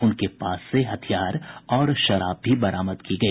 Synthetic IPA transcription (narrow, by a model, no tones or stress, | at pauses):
ʊnkepaːsːeɦɐt̪ʰijaːɾɔːɾʃɐɾa̰ːb̚bʱibɐɾaːməd̪kiɡɐiː